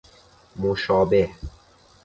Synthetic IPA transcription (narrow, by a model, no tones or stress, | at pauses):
moʃɒːbeh